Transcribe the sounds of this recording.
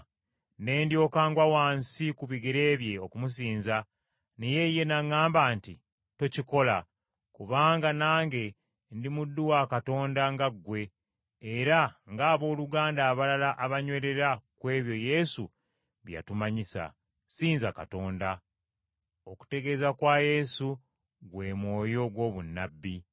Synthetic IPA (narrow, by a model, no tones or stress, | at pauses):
ne̞ːndjo̞ːkaːŋɡwawaːnsikuβiɡiɾe̞ːβje̞o̞kumus̬iːnza | nije̞je̞naŋːaːmbaːnti | tociko̞la | kuβaːŋɡanaːŋɡe̞ | ndimudːuwakato̞ːndaŋɡaɡːwe̞ː | ɾaŋɡaːβo̞ːluɡaːndaːβalalaʔaβaɲwe̞ːɾe̞ɾakwe̞ːβjo̞je̞su | βja̰tumaɲisa̰ | siːnzaka̰to̞ːnda | o̞ku̥te̞ɡe̞zakwaje̞su | ɡwe̞ːmwo̞ːjo̞ɡwo̞ːβunːabːi